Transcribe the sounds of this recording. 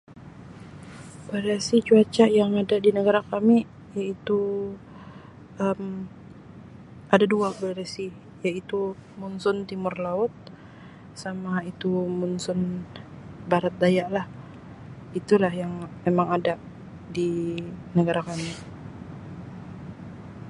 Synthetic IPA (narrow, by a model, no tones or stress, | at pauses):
baɾesit͡ʃuat͡ʃajaŋadadinəɡaɾakami | jait̪u | əm | ʔadaduabaɾesi | jait̪umunsʊnt̪imʊrlaʊt̪̚ | samait̪umunsʊn | baɾat̪̚dajaʔlah | it̪ulahjaŋmemaŋadaʔ | dinəɡaɾakami